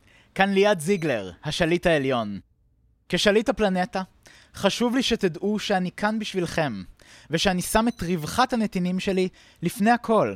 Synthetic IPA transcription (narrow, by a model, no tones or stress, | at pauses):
kanlijadziɡle̞ʁhaʃalithaeljo̞n | keʃalithaplane̞ta | χaʃuvliʃetidʔuʃeanikʰanbiʃvilχe̞m | veʃeanisametʁivχathanetinimʃe̞li | lifnejhakʰo̞l